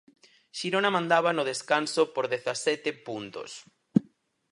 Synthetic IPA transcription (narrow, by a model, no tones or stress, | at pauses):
ʃiɾonamãnd̪aβanoð̞eskansopoɾðeθasɛt̪epunt̪o̰s